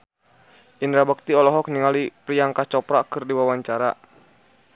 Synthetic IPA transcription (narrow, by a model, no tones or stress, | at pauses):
ʔinɾabək̚t̪iɔlɔɦɔk̚niŋalipɾijaŋkat͡ʃɔpɾakɨrdiwawaɲt͡ʃaɾa